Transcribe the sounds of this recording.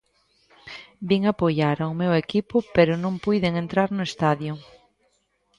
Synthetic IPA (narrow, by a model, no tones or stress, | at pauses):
biŋapojaɾawmewekipʊpeɾʊnõmpujðeŋent̪ɾaɾnʊest̪aðjʊ